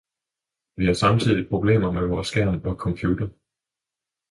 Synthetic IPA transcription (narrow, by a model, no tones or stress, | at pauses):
ʋihɑ̈sɑ̈mt͡sʰið̞̰ˠipʰʁo̝b̥le̝̰ːmɐmeʋɒːsɡ̥æɐ̰npʰɒ̽kʰɒ̽mpʰjuːd̥ɐ